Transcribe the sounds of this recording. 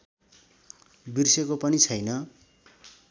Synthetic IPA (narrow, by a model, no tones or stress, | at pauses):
birsekopʌnit͡sʰʌjnʌ